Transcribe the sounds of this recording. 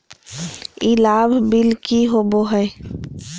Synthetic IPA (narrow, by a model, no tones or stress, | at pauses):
ilaːbʱbɪlkiɦoːboɦɛː